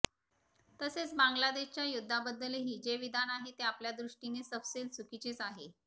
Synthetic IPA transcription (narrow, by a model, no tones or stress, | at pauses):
t̪əset͡sbaŋɡlad̪eɕt͡ɕjajud̪ʱːabəd̪ːəleɦid͡ʑeʋid̪anaɦet̪eapljad̪ɾuʂʈinesəfselsukit͡ɕet͡saɦe